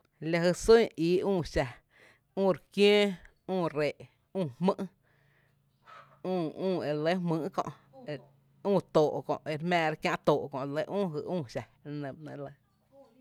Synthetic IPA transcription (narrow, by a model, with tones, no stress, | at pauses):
la˧ɦə˧su˦iː˨˦ũː˦˨ʃa˨ | ũː˦˨ɾkjẽː˦ | ũː˦˧˨ɾe˨ʔ | ũː˧˨hmɨ̃˦ʔ | ũː˦˨ũː˦˨e˨lə˦hmɨ̃ː˧˦ʔkõ̰˧ʔ | e˧ | ũː˦˧˨t̪oː˨ʔkõ̰˨ʔʔe˧ɾmɛ̃ː˧ɾa˧kjã˧ʔt̪oː˨ʔkɔ̃˧ʔlə˧˦ʔũː˦˨ɦɨ˧ʔũː˦˧˨ʃa˨˧nə̃˨mnə̃˧˨lə˧˦